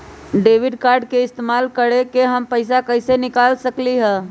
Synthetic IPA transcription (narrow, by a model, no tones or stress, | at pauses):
ɖeːʋɪɖkaːɾɖkeɪst̪eːmaːlkəɽekeɦəmpəɪs̬akəɪsenɪkaːlsəkliɦɛː